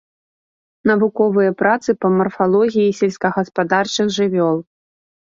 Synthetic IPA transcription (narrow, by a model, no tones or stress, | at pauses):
nɐvukɔvɨjɐpɾat̪sɨpɐmɐrfalˠɔɣʲijisʲɛlʲsʲkɐɣɐspad̪art͡ʂɨɣʐɨvʲɔlˠ